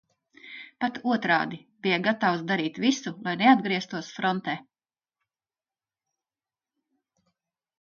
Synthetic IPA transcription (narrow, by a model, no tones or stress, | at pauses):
pat̪uɔt̪ɾɑ̰ːd̪ibijaɡat̪awsd̪aɾiːt̪visulˠajnead̪ɡɾiɛst̪uɔsfɾɔnt̪ɛː